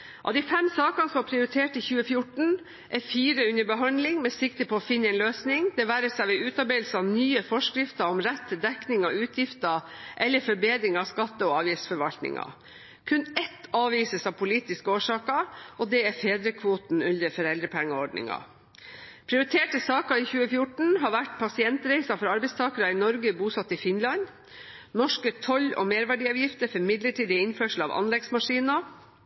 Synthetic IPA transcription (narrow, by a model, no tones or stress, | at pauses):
ʔɑ̰d̪ifɛmsɑːkɑnsɔmɑpʰɾɪʊɾɪt̪ʰeːʈəɪçʉːəfjʊʈɳ̩ | ʔæɾfiːɾəʉnːəɾbəɦɑnd̪lɪŋmɛsɪkt̪əpʰoːfɪnːəɛːnløːsnɪŋd̪ɛʋæːɾəsæʋɛʉːt̪ɑɾbeːlsɑʋnyːəfɔʂkɾɪft̪ɑɔmɾɛt̪ːəd̪ɛknɪŋɑʉːt̪ʰjɪft̪ɑʔɛlːəɾfɔɾbeːd̪ɾɪŋɑʋskɑt̪ːəɔɑːʋjɪːsfɔɾʋɑlt̪nɪ̰ŋɑ̰ | kʰʉnɛt̪ːɑːʋiːsəsɑʋpʰʊliːt̪ɪskəoːʂɑːkɑʔɔd̪ɛːæɾfeːd̪ɾəkʰʋuːt̪nʉnd̪əɾfɔɾɛld̪ɾəpʰæŋːəɔɖɳɪ̰ŋɑ̰ | pʰɾɪʊɾɪt̪ʰeːʈəsɑːkɑiçʉːəfjʊʈɳ̩ɦɑɾʋæʈpʰɑsɪɛnt̪ɾɛɪsɑfɔɾɑɾbɛɪst̪ʰɑːkəɾɑɪnɔɾɡəbuːsɑt̪ːɪfɪnlɑn | nɔʂkət̪ʰɔlɔ̰meːɾʋæɖiːɑːʋjɪft̪əɾfɔɾmɪd̪ləʈʰiːd̪ɪɪnføːʂl̩ɑ̰ːʋʔɑ̰nlɛɡsmɑʂiːnɑ